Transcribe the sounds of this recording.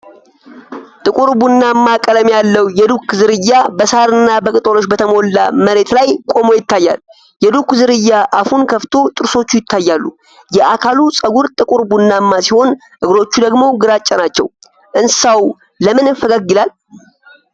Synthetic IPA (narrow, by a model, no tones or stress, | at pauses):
t̪ʼɨkʼuɾbunːamːakʼələmjalːəwjɛd̪ukzɨɾɨjːabəsaɾɨnːabəkʼɨt̪ʼolo̞ʃbət̪ʰəmo̞lːa̰məɾe̞t̪lajkʼo̞mo̞jɪt̪ʰːajːa̰l | jɛd̪ukzɨɾɨjːaʔafunkʰəft̪ʰo̞t̪ʼɨɾso̞t͡ʃːujɪt̪ʰːajːalːu | jɛʔakʰalusʼəɡuɾt̪ʼɨkʼuɾbunːamːasiho̞n | ʔɨɡɾo̞t͡ʃːud̪əɡmo̞ɡɨɾat͡ʃʼːɛnat͡ʃːɛ̰w | ʔɨnsawː | əmɨnɨfəɡaɡːɨlal